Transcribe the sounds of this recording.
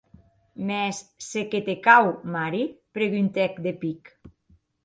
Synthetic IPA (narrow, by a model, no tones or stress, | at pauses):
mɛsːeket̪ekawmaɾipɾeɣynt̪ɛkd̪epik